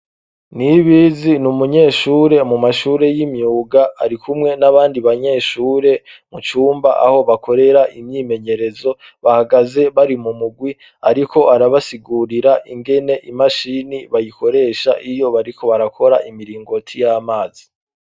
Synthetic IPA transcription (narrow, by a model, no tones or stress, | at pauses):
niβizinumuɲe̞ːʃuːɾe̞mumaʃuːɾe̞jimjuːɡaaɾikʰumŋe̞naβaːndiβaɲe̞ːʃuːɾe̞mut͡ʃuːmbaʔa̰ho̞βakʰo̞ɾe̞ɾaʔimɲiːme̞ɲe̞ɾe̞zo̞ | βahaɡaze̞βaɾimumuɡwi | aɾikʰo̞aɾaβasiɡuɾiɾaʔiŋɡe̞ne̞ʔimaʃiniβajikʰo̞ɾe̞ːʃa̰ʔijo̞βaɾikʰo̞βaɾakʰo̞ɾaʔimiɾiːŋɡo̞tʰijaːmaːzi